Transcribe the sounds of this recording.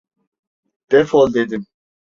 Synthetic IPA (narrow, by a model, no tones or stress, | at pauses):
d̪̥ɛfɔld̪edɪn